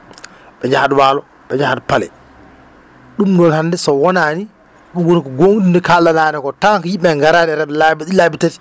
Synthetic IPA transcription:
ɓɛɲd͡ʒahadwaːlɔ | ɓɛɲd͡ʒahadpalɛ̰ | ɗumdɔnhandɛsɔwɔnani | ɗuwonikɔɡoŋdunikalːanaːnɛkɔtaŋkjimɓɛŋɡaɾanɛɾadlabiɗilabitati̥

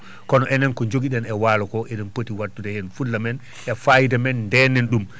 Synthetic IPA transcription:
kɔnɔʔɛnɛnkɔɲd͡ʒoɡiɗɛnɛwaːlɔkɔʔɛɗɛnpotiwatːudɛhɛnfulːamɛn | ʔɛfajidɛmɛnːdɛnɛnɗum

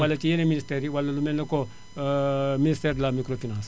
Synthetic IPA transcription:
ɐlːɐt͡ʃijɐneminisʈeɾiʋɐlːɐlumenːɐko | minisʈeɾlamikɾopʰinaːns

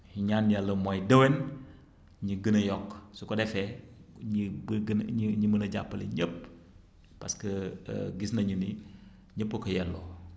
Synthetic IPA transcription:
iɲaːnjalːɐmɔjdɐwɛn | ɲiɡənɐjɔkːsukɔdɛfɛɲibɡnɲimənɐɟa̰pːɐlḭɲəp̚ː | ɐ̰skɐ̰ɡisnɐɲuni | ɲəpːukɐjɛlːɔ̰ː

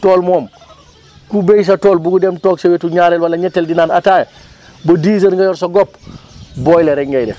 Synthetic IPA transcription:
toːlmoːm | kubejs̬ɐtoːlbuɡudemtoːksewetuɲaːɾelwalɐɲɛtːeldinaːnataːj | bɐdiːs̬ɐnŋɡajɔɾsɐɡopbɔjleɾɛŋɡɐjdḛ

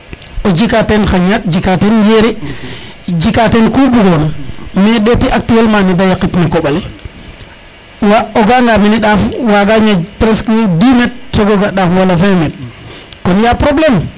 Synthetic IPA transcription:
od͡ʒikatenxaɲak̚d͡ʒikatenjeɾi | d͡ʒikatenkubuɡonmeɗetiʔak̚tielmanidajakitnakoɓale | waoɡaŋɡaminiɗafwaɡaɲapɾeskidimet̚soɡoɡaɗafwalafemet̚konjapɾoblem

